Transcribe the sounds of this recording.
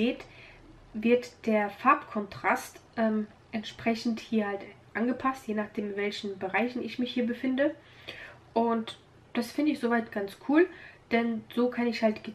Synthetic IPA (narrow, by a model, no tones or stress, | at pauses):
eːt | vɪɐtd̥eːɐfaɐpkʰɔntʁ̥astʔɛːm | ʔɛntʃpʁ̥ɛçn̩thiːɐhaltʔanɡəpʰastjeːnaːχd̥eːmɪnvɛlçn̩bəʁaɪçn̩ɪçmɪçhiːɐbəfɪndə | ʔʊnt | d̥asfɪndəɪçz̥ovaɪtɡ̥ant͡skʰuːld̥ɛnz̥oːkʰanɪçhaltɡ̥ə